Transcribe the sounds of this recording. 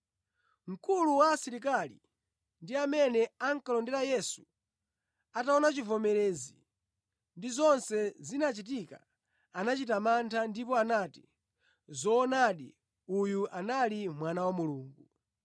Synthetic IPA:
ŋ̩kʰuluwaːsiɾik̬ali | ndiamɛnɛaŋ̩kalɔndɛɾajɛsu̥ | ataɔnat͡ʃivɔmɛɾɛːzi | ndizɔnsɛzinat͡ʃit̬ika | anat͡ʃitamantʰandipɔanati̥ | zɔːnaɗḭ | ujuʔanalimwanawamuluːŋɡu

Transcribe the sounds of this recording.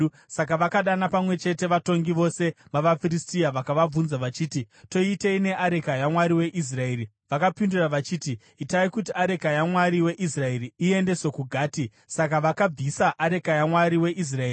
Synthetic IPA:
sak̬aʋakaɗanapamwe̞t͡ʃe̞te̞ʋato̞ŋɡiʋo̞se̞ʋaʋafiristijaʋakaʋab͡vunzaʋat͡ʃiːti | to̞iteine̞ʔaɾe̞kajamwaɾiwe̞ʔis̬rae̞ɾi | ʋakapinduraʋat͡ʃiːtiː | taikutiaɾe̞kajamwaɾiwe̞ʔisrae̞riie̞nde̞so̞kuɡʱaːti | sak̬aʋakab͡visaʔaɾe̞kajamwaɾiwe̞ʔis̬raeːi

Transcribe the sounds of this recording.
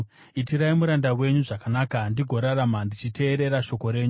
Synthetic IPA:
itiɾaimuɾandawe̞ɲuʐakanaːkandiɡʱo̞ɾaramandit͡ʃite̞ːɾe̞ɾaʃo̞ko̞ɾe̞ːɲu

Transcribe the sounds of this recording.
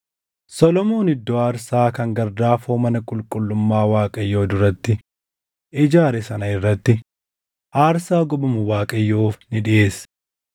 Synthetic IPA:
sɔlɔmo̞ːnɪd̪ːɔaːɾsaːkɐŋɡɐɾd̪aːfoːmɐnɐkʼʊlkʼʊlːʊmːaːwaːkʼɐjːo̞ːd̪ʊɾɐt̪ːɪ | ʔɪd͡ʒaːɾɛsɐnɐɪrːɐt̪ːɪ | ʔaːɾsaːɡʊbɐmʊwaːkʼɐjːoːfnɪᶑɪʔe̞ːs

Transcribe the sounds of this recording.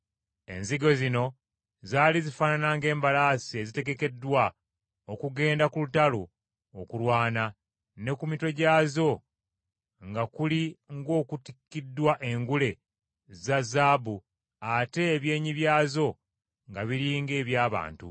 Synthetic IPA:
e̞̰nziɡo̞zino̞ | zaːlizifaːnanaŋɡe̞ːmbalaːsie̞zite̞ɡe̞ke̞dːwa | okuɡe̞ːndakulutalo | okulwaːna | ne̞kumito̞ɟaːzo̞ | ŋɡakuliŋɡo̞ːkutikːidːwaʔe̞ŋɡule̞ | zazaːbu | ate̞ːβje̞ːɲiβjaːzo̞ | ŋɡaβiɾiːŋɡe̞ːβjaːβa̰ːntṵ

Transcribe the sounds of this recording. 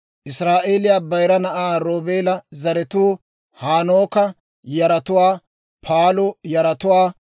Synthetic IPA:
ʔɪsɾaːʔe̞ːlɪjaːbɐjɾɐnɐʔaːɾoːbe̞ːlɐzɐɾɛt̪uː | haːnoːkɐ | jɐɾɐt̪ʊwaː | pʰaːlʊjɐɾɐt̪ʊwaː

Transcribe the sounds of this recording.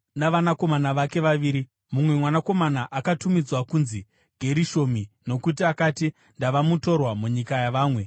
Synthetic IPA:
naʋanako̞manaʋake̞ʋaʋiːɾi | mumwe̞mwanako̞manaʔakatumid͡zwakunzi | ɡ̥ʱe̞ɾiʃo̞mino̞kut̬iakati | ndaʋamuto̞rwamuɲikajaʋaːmwe̞

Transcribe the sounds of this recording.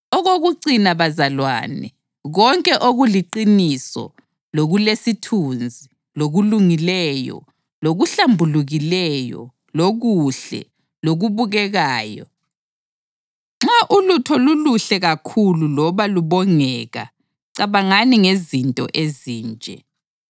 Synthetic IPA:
ɔɣoɣuǀinaβazalwa̰ːnɛ̰ | ɣɔŋkʼɛʔoɣuliǃinisɔ̰ | loɣulesitʰund͡zʱi | loɣuluŋilɛjɔ̰ | loɣuɬambʱuluɣilɛjɔ̰ | loɣuɬɛ̰ | loɣuβuɣɛɣaːjɔ̰ | ŋ͡ǁaʔulutʰɔluluɬɛɣakʰululɔβaluβɔŋɛːɣa̰ | ǀaβaŋaniŋezintʼɔ̰ʔeziːnt͡ʃʼɛ̰

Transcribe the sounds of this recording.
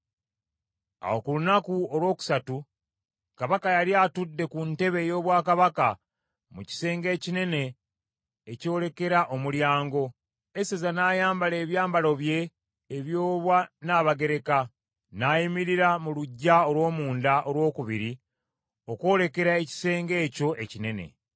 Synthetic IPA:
a̰wo̞kulunakuolwo̞ːku̥satu | kaβakajaliatudːe̞kunte̞βe̞jo̞ːβwaːkaβaka | muci̥se̞ːŋɡe̞ːcine̞ne̞ː | co̞ːle̞ke̞ɾaʔo̞muljaːŋɡo̞ | esezanaːjaːmbale̞ːβjaːmbalo̞βje̞ː | βjoːβwanaːβaɡe̞ɾe̞ka | najimiɾiɾamuluɟːao̞lwo̞ːmuːndaʔo̞lwo̞ːkuβiɾi | o̞kwo̞ːle̞ke̞ɾae̞ci̥se̞ːŋɡe̞ːco̞ʔe̞cine̞ne̞̰

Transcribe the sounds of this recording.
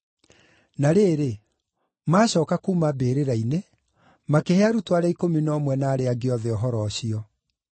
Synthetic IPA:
naɾeːɾe | maːɕɔːkakuːmabeːɾeɾaine | makeheaɾutwaɾɛaikominɔːmwɛnaːɾeaɡeɔðɛɔɦɔɾɔːɕiɔ

